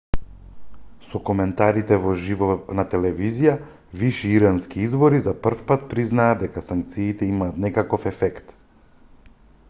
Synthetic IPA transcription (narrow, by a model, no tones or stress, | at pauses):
sɔkɔmɛnt̪aɾit̪ɛvɔʒivɔnat̪ɛlɛvizija | viʃiiɾanskiizvɔɾizapr̩fpat̪̚pɾiznaːd̪ɛkasaŋk̚t̪siːt̪ɛimaːt̪nɛkakɔfɛfɛkt̪